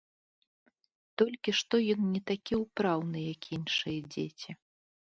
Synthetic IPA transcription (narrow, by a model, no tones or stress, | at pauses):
t̪ɔlʲkʲiʂt̪ɔjɔnnʲɛt̪akʲiwpɾawnɨjɐkinʂɨjɛd͡zʲet͡sʲi